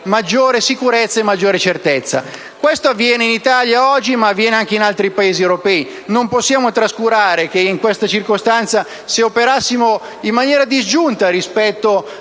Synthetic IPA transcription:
mad͡ʒːoːɾesikuɾɛt̪sːaemːad͡ʒːoːɾet͡ʃert̪ɛt̪sːa̰ | kwest̪oavːjɛːneinit̪aljaɔd͡ʒːimaːvːjɛːneaŋk̟einalt̪ɾipaeːziewɾopɛi | nomposːjaːmot̪ɾaskuɾaːɾek̟eiŋkwest̪at͡ʃirkost̪ant̪sa | seopeɾasːimo | imːanjɛːɾad̪izd͡ʒunt̪aɾispɛt̪ːo

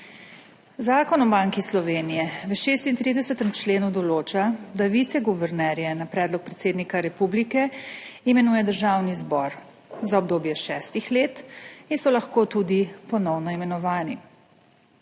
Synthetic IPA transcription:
zaːkɔnɔbaŋkislɔʋeːnijɛʋəʃeːst̪int̪ɾiːd̪ɛsɛt̪ɛmt͡ʃleːnud̪ɔloːt͡ʃad̪aʋit̪sɛɡuʋɛɾnɛɾjɛnapɾɛːd̪lɔk̚pɾɛt̪seːd̪nikaɾɛpublikɛimɛnuːjɛd̪əɾʒawnizbɔɾ | zaɔb̚d̪oːbjɛʃɛːst̪ixleːt̪insɔlaxkoːt̪ud̪ipɔnɔwnɔimɛnɔʋaːni

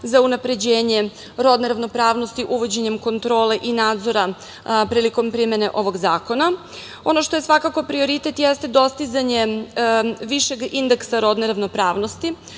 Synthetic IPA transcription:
zaunapɾe̞d͡ʑeːɲe̞ | ɾo̞d̪neɾaʋno̞pɾaːʋno̞st̪iʔuʋo̞d͡ʑe̞ɲe̞mko̞nt̪ɾo̞ːle̞ʔinaːd̪zo̞ɾa | pɾiːliko̞mpɾimene̞ʔo̞ʋo̞ɡzaːko̞na | o̞no̞ʃt̪o̞je̞sʋakako̞pɾio̞ɾit̪et̪jest̪e̞d̪o̞st̪izaɲe̞ | ʋiʃe̞ɡind̪eksaɾo̞d̪neɾaʋno̞pɾaːʋno̞st̪i

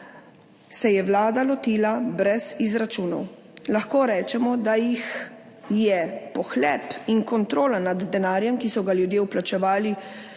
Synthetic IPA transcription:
sɛjɛʋlaːd̪alɔt̪iːlabɾɛzizɾat͡ʃuːnɔ̰w | laxkoːɾɛːt͡ʃɛmɔd̪ajix | jɛpɔxlɛːpiŋkɔnt̪ɾoːlanad̪ːɛnaːɾjɛmkisɔɡaljud̪jeːwplat͡ʃɛʋaːli

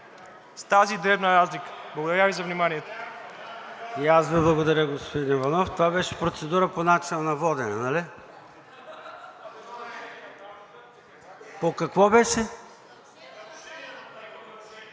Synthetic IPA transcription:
st̪azid̪ɾɛbnəɾazlikə̥blˠɐɡod̪ɐɾʲjavizɐvnimaniɛt̪o̥ | iasviblˠɐɡod̪ɐɾʲəɡospod̪invɐnɔft̪ovabɛʃɛ̥pɾot̪sɛd̪uɾəponat͡ʃinənɐvɔd̪ɛnɛnali | pokɐkvɔbɛʃɛ

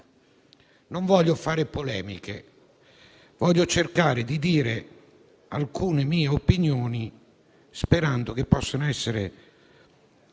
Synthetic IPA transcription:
noɱvɔʎːofaːɾɪpolɛːmḭkḛ | vɔʎːot͡ʃerkaːɾɪd̪id̪iːɾe | a̰lkuːnemiːeopinjoːni | speɾand̪ʊk̟epːɔsːanoɛsːeɾḛ

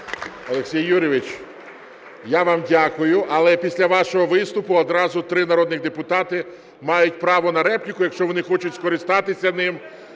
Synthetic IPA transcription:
ɔlˠeksʲijːuɾʲɪʋɪt͡ʃ | jaʋɑmdʲakʊjʊʔɐlˠɛpʲisʲlʲɐʋɑʃɔɦɔʋɪst̪ʊpʊɔd̪ɾɑzʊt̪ɾɪnɐɾɔd̪nɪɣd̪epʊt̪ɑt̪ɪ | mɑjʊt̚ʲpɾɑʋɔnɐɾɛpnʲɪkʊjɐkʃt͡ʃɔʋɔnɪxɔt͡ʃʊtʲskɔɾɪst̪ɑt̪ɪsʲɐnɪm

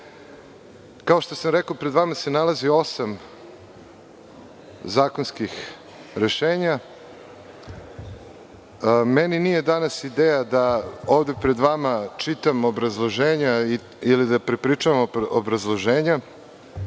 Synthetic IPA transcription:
kao̞ʃt̪osamɾekopɾed̪ʋamase̞nalazio̞sam | zaːkonskix | ɾe̞ʃeːɲa | meninije̞d̪anasid̪eːjad̪ao̞ːʋd̪epɾe̞d̪ʋamat͡ʃit̪amobɾazlˠo̞ʒeːɲai | ilid̪apɾepɾiːt͡ʂuʋamobɾazlˠo̞ʒeːɲa

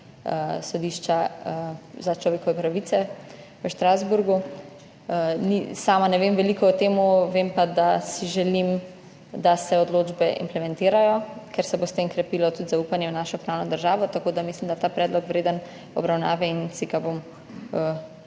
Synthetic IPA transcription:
əsɔd̪iːʃt͡ʃa | zat͡ʃlɔʋeːkɔʋɛpɾaʋit̪sɛ | ʋəʃt̪ɾazbuɾɡu | nisaːmanɛʋemʋɛlikɔɔt̪eːmuʋempad̪asiʒɛlim | d̪asɛɔd̪loːd͡ʒbɛʔḭmplɛmɛ̃nt̪eːɾajɔkɛɾsɛbost̪emkɾɛpiːlɔt̪ut̪zaupanjɛwnaːʃɔpɾaːwnɔd̪əɾʒaːʋɔt̪akoːd̪amislimd̪at̪aːpɾɛːd̪lɔkʋɾeːd̪ən | ɔ̰bɾawna̰ːʋɛinsiɡabom | ə

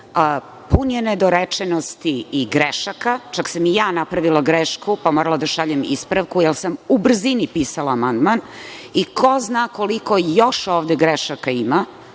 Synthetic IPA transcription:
punjened̪oɾet͡ʂenost̪iːɡɾeʃakat͡ʃaksamijaːnapɾaʋilˠaɡɾeʃkupamoɾalˠad̪aʃaʎemḭspɾaʋkujelˠsamubr̩zinipiːsalaːmand̪manikʰo̞znaːkoliko̞jo̞ʃoːʋd̪eɡɾeʃakaima

